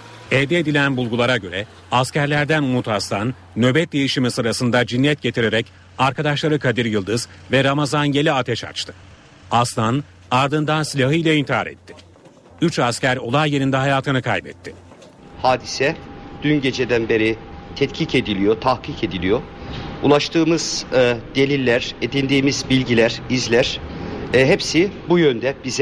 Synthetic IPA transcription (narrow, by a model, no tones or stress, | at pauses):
ɛvd̪ɛːd̪ilʲænbulˠɡulˠaɾaɟø̞ɾɛ | ascæɾlʲæɾd̪ænumut̪ast̪ˠanː | ø̞bɛt̪̚d̪e̞jiʃimisɯɾasɯnd̪ad͡ʒinːjɛt̪̚ɟe̞t̪ʰiɾeɾɛc | aɾkʰad̪aʃlˠaɾɯkʰad̪iɾjɯlˠd̪ɯz̥vɛɾamazanje̞lʲiat̪ʰɛʃa̰t͡ʃt̪ʰɯ̥ | ast̪an | aɾd̪ɯnd̪ansilʲaɦɯjlʲɛint̪ʰa̰ːɾɛ̰t̪ʰːɪ | yt͡ʃascæɾo̞lˠajːe̞ɾind̪ɛɦajaːt̪ʰɯnɯkʰajbɛ̰t̪ʰːɪ | haːd̪isɛd̪̥ynɟe̞d͡ʒe̞d̪ænbe̞ɾit̪ʰɛt̪cʰice̞d̪ilʲijot̪ʰahkikʰe̞d̪ilʲijoṵlˠaʃt̪ʰɯːmɯz̥d̪e̞lʲilʲːæɾed̪ind̪iːmizbilʲɟilʲæɾizlʲæɾ̥ | ɦɛpsibujønd̪ɛbizɛ